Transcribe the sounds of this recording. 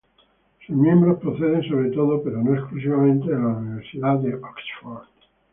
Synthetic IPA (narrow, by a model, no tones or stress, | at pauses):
suzmjẽ̞mbɾospɾoθeðenso̞β̞ɾet̪o̞ðope̞ɾo̞noesklusiβamẽnt̪eðelauniβ̞eɾsiðaðeʔoksfoɾt̪